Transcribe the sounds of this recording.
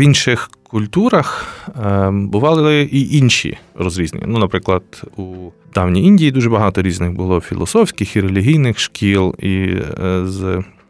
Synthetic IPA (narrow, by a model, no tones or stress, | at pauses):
ʋinʃɪxkʊlʲt̪uɾɐx | bʊʋɑlˠɪɪʔiʔinʃʲḭrɔzɾʲizʲnʲɪ̰ḭnunɐpɾɪklˠɐd̪̥u | d̪̥ɑwnʲijinʲdʲijid̪uʒɛbɐɦɑt̪ɔɾʲiznɪɣbʊlˠɔfʲḭlˠɔ̰sɔfsʲkʲɪxiɾelʲiɦʲijnɪxʃkʲʰilˠi | z